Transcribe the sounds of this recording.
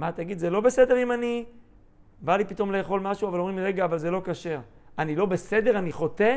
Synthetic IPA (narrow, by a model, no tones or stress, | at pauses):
mat̪aɡid̪zelo̞be̞se̞d̪e̞ʁimani | balipit̪o̞mle̞ːχo̞lmaʃuavalo̞mʁimʁe̞ɡaːvalze̞lo̞kaʃe̞ʁ | anilo̞be̞se̞d̪e̞ʁaniχo̞t̪e